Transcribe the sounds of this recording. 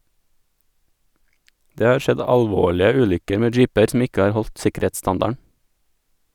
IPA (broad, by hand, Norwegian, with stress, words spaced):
ˈdeː ˈhɑːɾ ˈʃɛd ˌɑʎˈʋoːɭɪə ˈʉːʎʏkəɾ ˈmeː ˈd͡ʒiːpəɾ sm̩ ˈɪkə ˈhɑːɾ ˈhɔʎt ˈsɪkəˌɾeːtˌstɑndɑɳ